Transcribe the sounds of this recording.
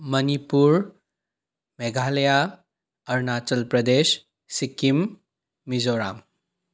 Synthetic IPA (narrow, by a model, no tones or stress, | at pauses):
mənipuɾ | meɡʱaleja | əɾnatəlpɾəd̪es | sikimː | izoɾa̰m